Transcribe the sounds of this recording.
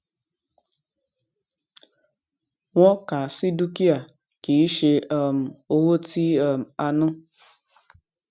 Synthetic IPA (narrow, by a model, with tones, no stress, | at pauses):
ŋʷɔ˦ka˨si˦du˦ki˦a˨ | ki˨i˦ʃe˦ɔ˨m̩˨o˦wo˦ti˦ɔ˨m̩˨a˦nʊ˦